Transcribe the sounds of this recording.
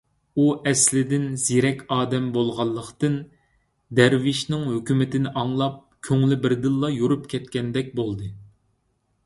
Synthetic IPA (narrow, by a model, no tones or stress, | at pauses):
uʔɛslɪd̪ɪnz̥iɾɛkʲɑːd̪ɛmbolˠʁɑlˠːəqt̪ɨn | d̪ɛɾvɪʃnɪŋhøkʲymɪt̪ɪnɪʔɑŋlˠɑp̚kʲʰøŋlɪbɪɾd̪ɨlˠːɑjuɾupkʲʰɛt̪kʲɛnd̪ɛk̚ʲbolˠd̪ɨ